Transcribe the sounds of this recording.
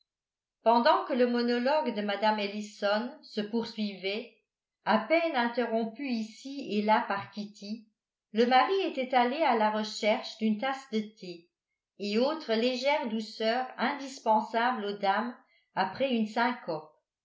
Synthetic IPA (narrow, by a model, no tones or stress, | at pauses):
pɑ̃d̪ɑ̃kələmɔnɔlɔɡd̪əmad̪amelisɔnsəpuʁsɥivɛ | apɛnɛ̃t̪eʁɔ̃pyisielapaʁkʲit̪i | ləmaʁiet̪ɛt̪alealaʁəʃɛʁʃd̪ynt̪asd̪ət̪ʰeː | oːt̪χəleʒɛːʁd̪usœːʁɛ̃d̪ispɑ̃sablod̪am | apχɛynsɛ̃kʰɔʁ